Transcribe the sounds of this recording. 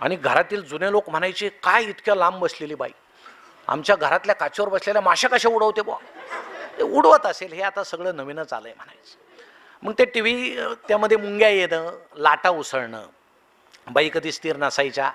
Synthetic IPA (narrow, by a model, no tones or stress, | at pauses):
a̰ɽ̃iɡʱəɾat̪iːld͡zunelokm̤əɽ̃ajt͡ɕikajit̪kʰjalambəsleliːba̰i | a̰mt͡ɕjaɡʱəɾat̪ljakat͡ɕəɾbəsleljamaɕakəɕauɽəʋt̪eboa̰t̪euɽʋət̪əselɦeat̪asəɡɭəːnəʋinət͡sa̰ləːjem̤əɽ̃a̰jt͡si̥ | m̤əɡ̚t̪eʈiʋ̤it̪jaməd̪ʱːjemuŋɡjajenəlaʈausəɭɳə̰ | bəikəd̪ʱiːst̪iːɾnəsajt͡ɕa